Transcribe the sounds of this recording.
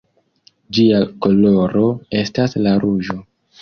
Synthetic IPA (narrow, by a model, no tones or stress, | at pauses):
d͡ʒiako̞lo̞ɾo̞e̞staslaɾuʒo̞